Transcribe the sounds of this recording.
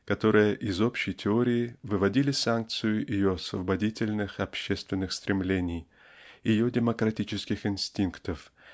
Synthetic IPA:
kɐt̪o̞ɾɨjəʔɪzo̞pɕːɪjtʲɪo̞ɾʲɪːvɨvɐdʲilʲɪsank̚t̪sɨjʊʔɪjo̞ɐsvəbɐdʲitʲɪlʲnɨxɐpɕːe̞st̪vʲɪnːɨxst̪ɾʲɪmlʲenʲɪj | jɪjodʲɪməkɾɐtʲit͡ɕɪskʲɪxɪnsʲtʲinkt̪əf

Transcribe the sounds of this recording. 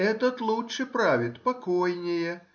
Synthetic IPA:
ɛt̪ɐt̪lˠɔwt͡ʂɨpɾavʲit̪pakɔjnʲeɛjɛ

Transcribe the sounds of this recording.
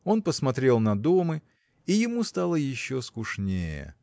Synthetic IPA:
o̞npəsmɐt̪ɾʲe̞lˠnɐd̪o̞mɨ | ijɪmust̪alˠəjɪɕːoskʊʂnʲejə̰

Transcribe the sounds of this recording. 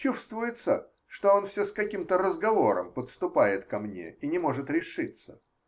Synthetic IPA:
t͡ɕust̪vʊjɪt̪sə | ʂt̪o̞onfsʲoskɐkʲimt̪əɾəzɡɐvo̞ɾə̰mpət̪st̪ʊpajɪt̪kɐmnʲḛinʲɪmo̞ʐɨt̪ɾʲɪʂɨt̪sə

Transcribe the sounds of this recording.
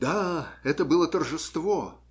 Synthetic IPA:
d̪aɛt̪əbɨlˠət̪ərʐɨst̪vo

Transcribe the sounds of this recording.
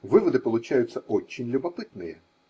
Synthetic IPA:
ʋɪʋɔd̪ɪpɔlˠʊt͡ʃajʊt͡sʲːɐɔt͡ʃːɪnʲlʲʊbɐpɪt̪nɪjɛ

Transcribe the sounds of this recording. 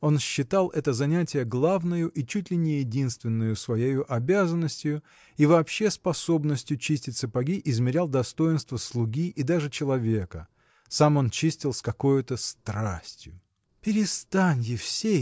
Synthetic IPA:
o̞nɕːɪt̪alˠʔɛt̪əzɐnʲætʲɪjəɡlˠavnəjʊʔit͡ɕutʲlʲɪnʲɪjɪdʲinst̪vʲɪnːʊjʊsvɐjejʊʔɐbʲazənːəsʲtʲɪjʊ | ivɐːpɕːe̞spɐso̞bnəsʲtʲjʊt͡ɕisʲtʲɪt̪̚ʲsɨpɐɡʲiʔɪzmʲɪɾʲalˠd̪ɐst̪o̞jɪnst̪vəslˠʊɡʲiʔɪd̪aʐɨt͡ɕɪlˠɐvʲe̞kə | samo̞nt͡ɕisʲtʲɪlˠskɐko̞jʊt̪əst̪ɾasʲtʲjʊ̰ | pʲɪɾʲɪst̪anʲjɪfsʲe

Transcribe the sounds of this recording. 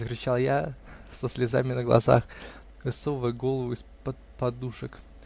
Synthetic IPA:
zəkɾʲɪt͡ɕalˠjasəsʲlʲɪza̰mʲɪnəɡlˠɐ̰za̰x | vʲɨso̞vʊjɡo̞lˠəvʊɪspət̪pɐd̪uʂək

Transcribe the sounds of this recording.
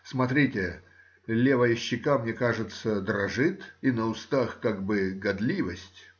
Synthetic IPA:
smɐt̪ɾʲitʲɪ | lʲevəjɪɕːɪkamnʲekaʐɨt̪səd̪ɾɐʐɨt̪inəʊst̪axkaɡ̚bɨɡɐd̪lʲivəsʲtʲ

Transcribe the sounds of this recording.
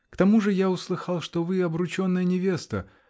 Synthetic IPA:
kt̪ɐmuʐɨjaʊslˠɨxɑlˠʂt̪ovɨɐbɾʊt͡ɕo̞nːɨjənʲɪvʲe̞st̪ə̰

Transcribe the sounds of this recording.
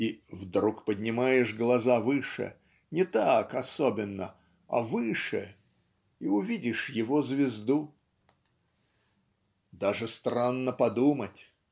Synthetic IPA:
ivd̪ɾukpədʲnʲɪmajɪʂɡlˠɐzavɨʂɨ̰ | nʲɪt̪akɐsobʲɪnːə̰ | ɐ̰vɨʂɨ̰ | iʊvʲidʲɪʂjɪvozvʲɪzd̪u | d̪aʐɨst̪ranːəpɐd̪umətʲ

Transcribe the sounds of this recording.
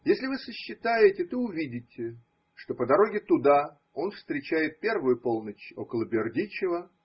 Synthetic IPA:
jesʲlʲɪvɨsəɕːɪt̪ajɪtʲɪt̪oʊvʲidʲɪtʲɪ | ʂt̪o̞pəd̪ɐɾo̞ɡʲɪt̪ʊd̪a | o̞nfst̪ɾʲɪt͡ɕæjɪt̪̚pʲe̞rvʊjʊpo̞lˠnət͡ɕo̞̰kəlˠəbʲɪrdʲit͡ɕɪvə

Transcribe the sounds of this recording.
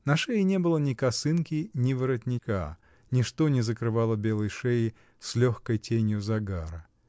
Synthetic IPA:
nɐʂɛjɪnʲe̞bɨlˠənʲɪkɐsɨnkʲɪnʲɪvɨɾətʲnʲɪka̰ | nʲɪʂt̪onʲɪzəkɾɨvalˠəbʲe̞lˠəjʂɛj | sʲlʲoxkəjtʲenʲjʊzɐɡaɾə

